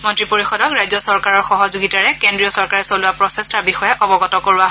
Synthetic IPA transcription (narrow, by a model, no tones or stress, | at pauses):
mɔntɹipoɹixɔdɔkɹajzɔsɔɹkaɹɔɹxɔɦɔzuɡitaɹɛkendɹijɔsɔɹkaɹɛsolʊwapɹɔsestaɹbixɔjɛʔɔbɔɡɔtɔkoɹuwaɦ